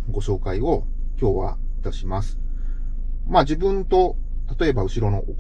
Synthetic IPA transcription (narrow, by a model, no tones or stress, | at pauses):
ɡo̞ɕo̞ːkaio̞ | kʲo̞ːβa̰ | it̪aɕimasɨ̥ | maːd͡ʑibɯ̟̃nt̪o̞ | t̪at̪o̞e̞baɯ̟ɕiɾo̞no̞ʔok